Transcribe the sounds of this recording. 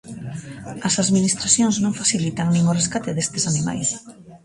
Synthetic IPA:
ɐsaðminist̪ɾaθjoŋznõŋfaθilit̪aŋnĩŋoreskat̪eðest̪esanima̰js

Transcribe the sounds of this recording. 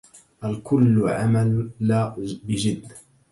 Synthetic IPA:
ʔalkʊlːʕa̰malːaːbɪd͡ʒɪd̪ːa

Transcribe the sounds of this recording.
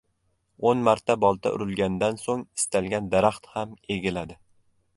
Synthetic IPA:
onmaɾt̪ʰabɒlˠt̪ʰa̰ʔʊ̰ɾɪlɡʲanɪd̪ansoŋɪ̥st̪ʰalɡʲand̪aɾaχt̪hame̞ɡʲɪlad̪ɪ

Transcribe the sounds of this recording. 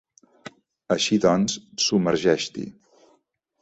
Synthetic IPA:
əʃiðɔnssuməɾʒɛʃt̪ḭ

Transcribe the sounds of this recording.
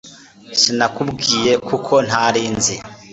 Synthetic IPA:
sinakubɡiːje̞kʰukʰo̞n̥haɾiːnze

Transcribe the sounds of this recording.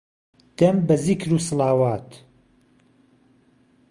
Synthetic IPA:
d̪̥ɐmbɐzikɾuːsɨlaːwaːt̪

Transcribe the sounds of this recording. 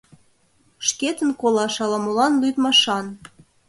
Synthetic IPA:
ʃket̪ə̆nkolɑʃɑlɑmolɑnlyt̪mɑʃɑn

